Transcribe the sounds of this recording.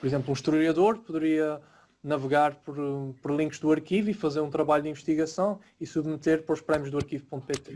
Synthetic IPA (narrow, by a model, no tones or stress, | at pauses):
pɔɾizẽmplˠũʃt̪ɾuʎɐðoɾpuðɨɾiɐ | nɐvɨɣaɾpɔɾpɔɾlˠĩŋkʒd̪uɐɾkivifɐzeɾũt̪ɾɐβaʎud̪ĩvɨʃt̪iɣɐsɐ̃w̃ | isuβmɨt̪eɾpɐɾɔʃpɾɛmjuʒðuɐɾkivpõnt̪upet̪e